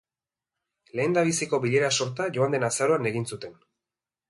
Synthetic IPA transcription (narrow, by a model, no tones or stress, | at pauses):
le̞ːnd̪aβ̞isiko̞βiʎe̞ɾaso̞ɾt̪aʝo̞and̪e̞nasaɾo̞ane̞ɣinsut̪e̞n